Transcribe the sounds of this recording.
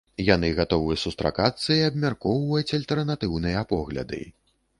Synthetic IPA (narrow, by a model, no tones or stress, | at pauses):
janɨɣat̪ɔvɨjɐsust̪ɾa̰kat̪sːɐiɐbmʲarkɔwvɐjut͡sʲɐlʲt̪ɛrnat̪ɨwnɨjɐpɔɣlʲɐ̰d̪ɨ̰